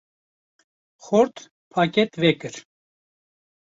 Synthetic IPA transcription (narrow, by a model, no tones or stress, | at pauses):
xoɾt̪ | pʰaːket̪vɛkɨɾ